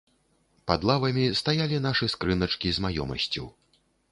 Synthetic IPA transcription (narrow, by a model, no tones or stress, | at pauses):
pad̪lˠavɐmʲist̪ajalʲin̪aʂɨskɾɨnɐt͡ʂkʲizmajɔ̰mɐ̰sʲt͡sʲuw